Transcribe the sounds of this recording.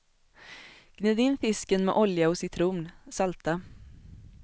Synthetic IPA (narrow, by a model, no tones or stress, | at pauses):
ɡ̥nyːd̪ɪnːfɪskənmɛ̰ːʔɔljaɔsɪt̪ʰɾuːmnsalt̪a